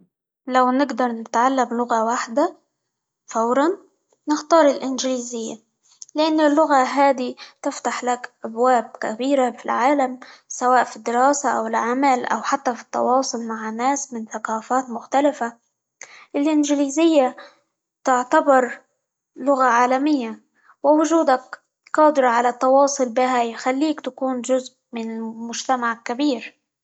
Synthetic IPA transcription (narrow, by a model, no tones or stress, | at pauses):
lawnɪɡd̪ɑɾˤnɪt̪ʕalːamlʊɣawaħd̪a | fawɾˤɑnː | ɪxt̪ɑːɾˤɪlʔɪnʒɪliːzɪjːa | lɪʔanːɪlːʊɣaɦaːd̪it̪ɪft̪aħlakʔabwaːb̚ka̰biːɾafilʕaːlamsawaːʔfid̪ːɪɾɑːsaʔawɪlʕamalʔa̰wħat̪ːafi̥t̪ːɑ̰wɑːsˤʊlmaʕnːaːsmɪnθaqɑːfaːt̪mʊxt̪alɪfa | ʔɪlʔɪnʒɪliːzɪjːa | t̪ɪʕt̪abɑɾˤ | lʊɣaʕaːlamɪjːa | wɪwʊʒuːd̪ak | qɑːd̪ɪɾɑʕalat̪ːɑwɑːsˤʊlbiɦajxalːiːkt̪akuːnʒʊzʔmɪnɪlmʊʒt̪amaʕkabiːɾ